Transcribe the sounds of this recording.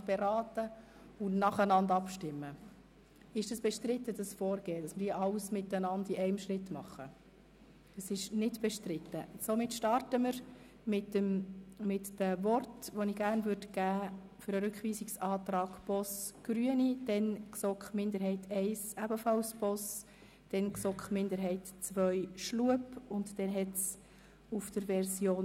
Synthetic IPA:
b̥eɾɑːtə | ʊnɑχənɑndɑpʃtɪmːə | ɪʃd̥ɑsb̥ɛʃtɾɪt̪ːədɑsfɔːɾɡ̥eːdɑsməɾiʔɑlsmɪtːənɑndiʔɛɪmʃɾɪtːmɑχːə | dəsɪʃnɪdb̥ɛʃtrɪtːəsomɪtʃtɑrtəməɾ | mɪtːəmmɪtd̥əvɔrtʋonɪɡ̥æɾnvʉɾdəɡ̥æː | fʏɾəɾʉkχʋiːsiksɑːt̪rɑːɡ̥pɔsɡ̥ɾyənid̥ɛnksɔkχmɪnd̪əɾɦɛɪtʰɛɪsæbəfɑlspɔs | d̥ɛnksɔkχmɪnd̪əɾɦɛɪtt͡sʋœjʃluəpʊntd̥ɛnɦɛts | ufd̥əɾʋɛɾsjoːn

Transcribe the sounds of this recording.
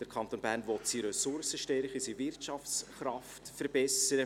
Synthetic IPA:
d̥əɾkʰɑnt̪oːnbæːrnvɔt̪siɾɛsʊɾsəʃtɛɾχəsivɪrtʃɑfsχɾɑftfəɾbɛsəɾə

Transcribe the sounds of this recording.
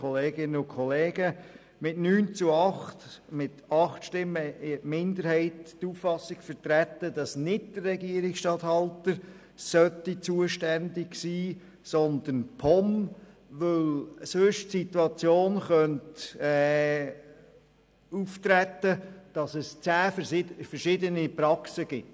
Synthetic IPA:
ɔleːɡ̥ɪnəʊkʰχɔleːɡ̥ə | mɪtnyːnt͡sʊɑχtmɪtɑχtʃtɪmːəɪmɪndəɾhɛɪttuffɑsɪɡfətɾætːədɑsnɪdd̥ərːɛɡiəɾɪksʃtɑthɑltə | sœtit͡suəʃtændɪɡsiː | sɔnd̪ənpʰɔm | ʋɵlsɵʃtsituɑt͡sjoːnχœntɛ | uftɾætːəd̥ɑsɛst͡sæːfəɾʃɪdənipɾɑksəɡ̥ɪt

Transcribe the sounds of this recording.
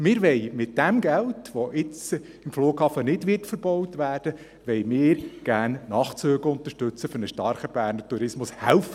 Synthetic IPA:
mɪːɾʋɛɪmɪt̚d̥ɛmɡɛltʋoʔɪt͡s | ɪmfluːɡhɑːfənɪdʋɪtfəɾb̥ɔwtʋæːrd̥ə | ʋɛɪmɪːɾɡ̥æːrnnɑːχt͡søːɡəʊnt̪əʃtʏt͡səfʏɾnəʃtɑɾχəb̥æːɾnətuɾɪsmʊshæ̰lfə

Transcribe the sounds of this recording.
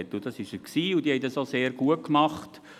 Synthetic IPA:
ɛtːʊd̥ɑsɪʃəksiːʊd̥iːhɛɪd̥ɑsoseːɾɡ̥uəkmɑχt

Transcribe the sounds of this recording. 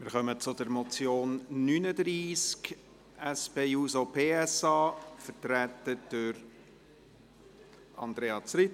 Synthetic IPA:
mɪːɾχœmət͡sʊd̪əɾmɔt͡sjoːnːynədriːsk | ɛspeːuːsopʰeːɛsɑːfətɾæt̪əd̥əɾ | ɑ̰nd̪ɾeːɑt͡sɾɪt

